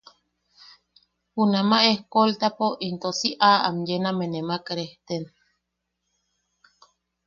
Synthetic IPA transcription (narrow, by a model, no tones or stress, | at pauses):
hunamaehkolt̪apoʔint̪osiʔaa̰mjenamenemakɾeht̪en